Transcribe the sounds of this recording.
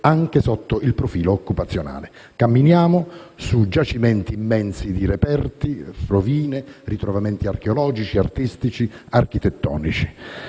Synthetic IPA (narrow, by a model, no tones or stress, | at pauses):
aŋkesɔt̪ːoʔilpɾofiːloːkːupat̪sːjona̰ːle | kamːinjaːmʊsud͡ʒat͡ʃimɛnt̪iːmːɛnsid̪iɾepɛrt̪ifɾoviːnerit̪ɾovamɛnt̪iarkeolɔːd͡ʒit͡ʃia̰rt̪ist̪it͡ʃiark̟it̪ɛt̪ːɔ̰ːnit͡ʃi̥